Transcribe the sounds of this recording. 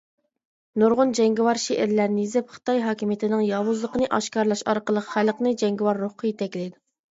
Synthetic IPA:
nuɾʁʊnd͡ʒɛŋɡʲiwɑɾʃeʔɪɾlæɾnɪjizɪpχə̥t̪ɑjɦɑːkʲimijet̪ʰɪnɪŋjɑːwuzlˠəqənɨʔɑʃkɑɾlˠɑʃɑɾqəlˠəqχæləqnɨd͡ʒɛŋɡʲiwɑɾːoχqʰəjet̪ʰɛkʲlɪd̪u

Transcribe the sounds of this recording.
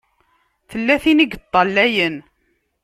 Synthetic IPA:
θəlːæθiniɡt̪ˤːɑlːæjən

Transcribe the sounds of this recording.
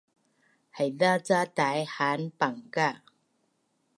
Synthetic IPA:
hajðat͡sat̪aːjhaːnpaŋka

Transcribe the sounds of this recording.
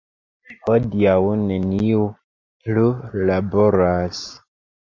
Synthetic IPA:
hodiawneniu | plulaboɾas

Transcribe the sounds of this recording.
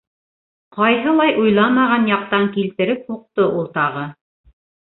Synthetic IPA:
qɑjɦɤ̆lˠɑjʔujlˠɑmɑʁɑnjɑq̚t̪ɑŋkilt̪ɘ̆ɾɘp̚huq̚t̪oʔulˠt̪ɑʁɤ

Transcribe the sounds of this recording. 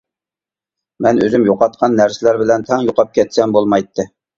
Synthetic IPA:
mɛnø̰zymjoqɑt̪̚qʰɑnːæɾsɪlæɾbɪlɛnt̪ʰɛŋjoqɑp̚kʲʰɛt̪sɛmbolˠmɑjt̪ʰːɨ

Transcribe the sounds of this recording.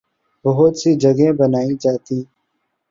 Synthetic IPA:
bəɦʊt̪siːd͡ʒəɡẽːbənaːĩːd͡ʒaːt̪ĩː

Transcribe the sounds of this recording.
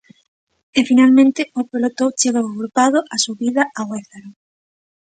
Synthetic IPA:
efinalmẽnt̪ɪopɾolot̪owt͡ʃeɣoɣɣɾupaðoʔasuβiðaʔaweθaɾo

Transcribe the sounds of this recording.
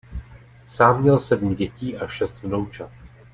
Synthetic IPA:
saːmɲɛlsɛdm̩ɟɛciːʔaʃɛst̪vnowt͡ʃat̪

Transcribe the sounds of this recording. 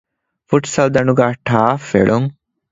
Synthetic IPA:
fuʈsɐld̪ɐnuɡaʈʰaːfḛɭoŋ

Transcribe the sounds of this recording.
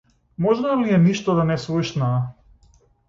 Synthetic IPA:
mɔʒnaliɛniʃt̪ɔd̪anɛsluʃna

